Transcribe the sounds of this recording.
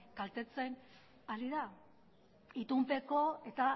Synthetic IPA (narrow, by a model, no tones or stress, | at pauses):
kalt̪e̞t͡se̞n | aliða | it̪umpe̞ko̞e̞t̪a